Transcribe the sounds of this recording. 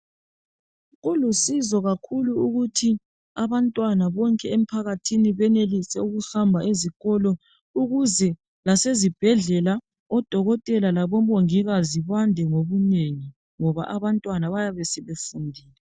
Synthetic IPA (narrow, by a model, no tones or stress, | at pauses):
ɣulusizɔɣakʰuluuɣutʰi | aβantʼwanaβɔŋkʼɛem̩pʰaɣatʰiniβɛnelisɛuɣuhambʱaʔeziɣɔlɔ | uɣuzɛ | lasezib̥ʱɛɮɛla | ɔd̥ʱɔɣɔtʼɛlalaβɔmoŋiɣaziβandʱɛŋoβuneŋi | ŋɔβa̰ʔaβantʼwanaβajaβɛsɛβefundʱiːlɛ